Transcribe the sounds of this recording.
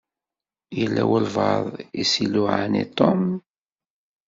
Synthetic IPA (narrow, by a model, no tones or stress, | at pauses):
jəlːæwəlvɑðˤisiluʕanḭt̪ˤːom